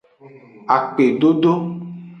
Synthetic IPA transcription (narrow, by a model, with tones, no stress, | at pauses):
a˨k͡pe˨ɖo˦ɖo˦